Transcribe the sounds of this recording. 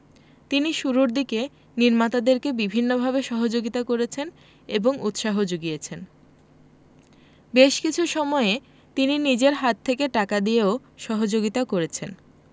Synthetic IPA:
t̪iniʃuɾuɾd̪ike | niɾmat̪ad̪eɾkebibʱinːobʱabeʃɔɦod͡ʑoɡit̪akoɾet͡ɕʰen | eboŋut̪ʃaɦod͡ʑoɡijet͡ɕʰen | beʃkit͡ɕʰuʃɔmɔe | t̪ininid͡ʑeɾɦat̪ʰːekeʈakad̪ieo | ʃɔɦod͡ʑoɡit̪akoɾet͡ɕʰen

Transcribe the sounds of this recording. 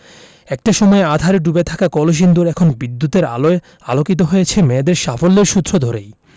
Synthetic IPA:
ɛk̚ʈaʃɔmɔead̪ʱaɾeɖubet̪ʰakakɔloʃ̬ind̪uɾɛkʰonbid̪ːut̪eɾa | alokit̪̬oɦojet͡ɕʰemed̪eɾʃafolːeɾʃut̪ːɾod̪ʱɔɾej

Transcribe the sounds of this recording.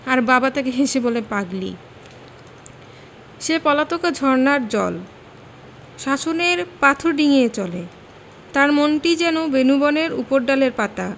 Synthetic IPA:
aɾbabat̪ekeɦeʃebolepaɡlḭ | ʃepɔlat̪okad͡ʑʱɔɾnaɾd͡ʑɔ̰l | ʃaʃoneɾpat̪ʰoɾɖiŋeet͡ɕɔle | t̪aɾmonʈid͡ʑɛnobenubɔneɾupoɾɖaleɾpat̪a

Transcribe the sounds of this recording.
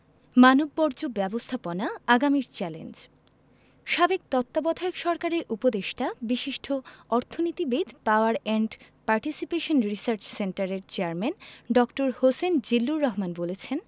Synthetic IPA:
manobːɔɾd͡ʑobɛbost̪ʰaponaaɡamiɾt͡ɕɛlḛnd͡ʑ | ʃabeɡ̚t̪ɔt̪ːabɔd̪ʱaokʃɔɾkaɾeɾʔupod̪eʃʈabiʃiʃʈʰoɔɾt̪ʰonit̪ibid̪paoaɾɛɳɖpaɾʈisipeʃonɾisaɾt͡ɕseɳʈaɾeɾt͡ɕeaɾmenɖɔkʈoɾhosend͡ʑilːuɾːɔɦmanbolet͡ɕʰen

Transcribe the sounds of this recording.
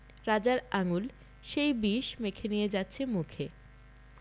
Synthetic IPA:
ɾad͡ʑaɾaŋul | ʃejbiʃmekʰenijed͡ʑatːɕʰemukʰe

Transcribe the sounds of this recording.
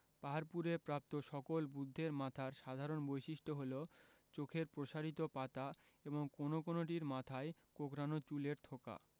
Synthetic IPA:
paɦaɾpuɾepɾap̚t̪oʃɔkolbud̪ʱːeɾmat̪ʰaɾʃad̪ʱaɾonbojʃiʃʈʰoɦolot͡ɕokʰeɾpɾoʃaɾit̪opat̪a | eboŋkonokonoʈ̬iɾmat̪ʰaekokɾanot͡ɕuleɾt̪ʰoka̰

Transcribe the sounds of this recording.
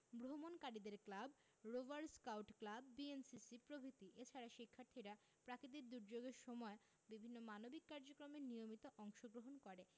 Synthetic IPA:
bɾomonkaɽid̪eɾklab | ɾovaɾskawʈklabːiensisipɾobʱit̪iʔet͡ɕʰaɾaʃikʰːaɾt̪ʰiɾa | pɾakid̪eɾd̪uɾd͡ʑoɡeɾʃɔmɔe | bibʱinːomanobikːaɾd͡ʑokɾomeɾnijomit̪oʔɔŋʃoɡɾoɦonkɔɾe

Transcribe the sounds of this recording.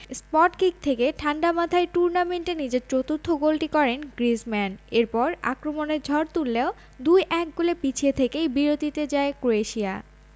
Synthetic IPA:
spɔʈkik̚t̪ʰekeʈʰaɳɖamad̪ʱaeʈuɾnameɳʈenid͡ʑeɾt͡ɕot̪ut̪ʰːoɡolʈikɔɾenɡɾismɛneɾpɔɾa̰kɾomoneɾd͡ʑʱɔɾt̪ulːeo | d̪ujʔɛk̚ɡulepit͡ɕʰiet̪ʰekejbiɾot̪it̪ed͡ʑaekɾoeʃia̰

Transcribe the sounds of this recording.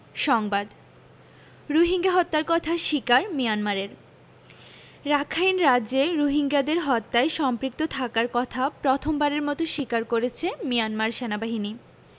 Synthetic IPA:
ʃɔŋbad̪ | ɾoɦiŋɡaɦɔt̪ːaɾkɔt̪ʰaʃikaɾmijanmaɾeɾ | ɾakʰajnɾad͡ʑeɾoɦiŋɡad̪eɾɦɔt̪ːaeʃɔmpɾik̚t̪ot̪ʰakaɾkɔt̪ʰapɾot̪ʰombaɾeɾmɔt̪oʃikaɾkoɾet͡ɕʰemijanmaɾʃenabaɦini

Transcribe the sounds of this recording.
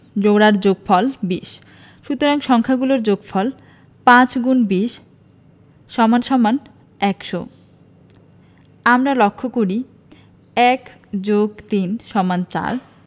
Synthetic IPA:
d͡ʑoɽaɾd͡ʑoɡfɔlbiʃ | ʃut̪oɾaŋʃɔŋkʰaɡuloɾd͡ʑoɡfʰɔl | pãt͡ɕɡunbiʃ | ʃɔmanʃɔman | ɛkʃo | amɾalokʰːokoɾi | ɛkd͡ʑoɡt̪inʃɔmant͡ɕa̰ɾ

